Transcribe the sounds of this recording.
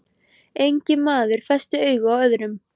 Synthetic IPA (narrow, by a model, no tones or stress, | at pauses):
ejɲcɪmaːðʏɾ̥fɛst̪ɪœːɥɣʏawœðɾʏm